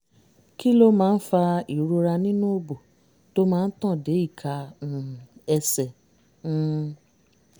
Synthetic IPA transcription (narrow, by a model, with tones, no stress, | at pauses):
ki˦lo˦mãː˦n̩˦fa˧i˨ɾo˧ɾa˧nĩ˦nũ˦o˦bo˨ | to˦mãː˦˧˦n̩˦tɔ̃˦˨de˨˦i˦˨kʰa˧ũ˨ɛ˧sɛ̃˨˦